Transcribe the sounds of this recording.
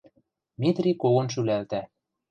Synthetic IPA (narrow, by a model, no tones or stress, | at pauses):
mʲit̪rʲikoɣɤ̆nʃ̬ylælt̪æ